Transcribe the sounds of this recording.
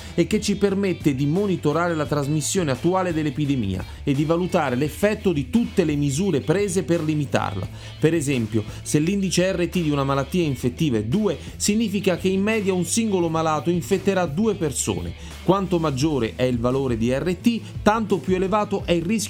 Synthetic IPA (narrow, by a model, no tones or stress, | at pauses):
ekːet͡ʃːipermet̪ːed̪imonit̪oɾaːɾelat̪ɾazmisːjoːneat̪ːuaːled̪elːepid̪emḭːa̰ | ed̪ːivalut̪aːɾelefːɛt̪ːod̪it̪ut̪ːelemizuːɾepɾeːzeperlimit̪a̰rla̰ | peɾezɛmpjoselːind̪it͡ʃeɛrːet̪ːid̪iunamalat̪ːiːaiɱfet̪ːiːvaɛd̪uːe | siɲːiːfikak̟eimːɛːd̪jaunsiŋɡolomalaːt̪oiɱfet̪ːeɾad̪uːeperso̰ːnḛ | kwant̪omad͡ʒːoːɾeʔɛilvaloːɾed̪iɛrːet̪it̪ant̪opjuelevaːt̪oʔɛilrisk